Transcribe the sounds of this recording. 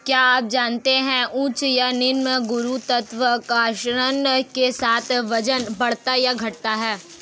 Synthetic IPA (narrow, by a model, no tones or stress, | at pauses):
kjaːaːp̚d͡ʒaːnt̪eɦɛ̃ʔũːt͡ʃjanɪɾmɡʊɾut̪ɐt̪ʋəkaːʃɾənkesaːt̪ʰʋɐd͡ʒənbɐɽ̤t̪ajaɡʱɐʈ̚t̪aɦɛː